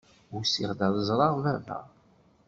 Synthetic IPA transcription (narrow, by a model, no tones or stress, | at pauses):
usiʁd̪æðˤəzˤɾˤɑʁvævæ̰